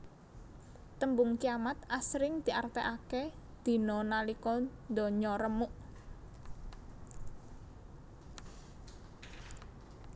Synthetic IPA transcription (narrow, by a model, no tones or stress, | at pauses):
t̪əmbʊŋkijamat̪asɾɪŋd̪̥i̤art̪eʔaked̪̥i̤nɔnalikɔnd̪ɔ̤ɲɔɾəmuʔ